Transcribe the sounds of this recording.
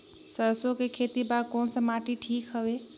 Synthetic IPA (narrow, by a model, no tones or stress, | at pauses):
səɾsokekʰet̪ibakonsəmaʈiʈʰiːkɦəbe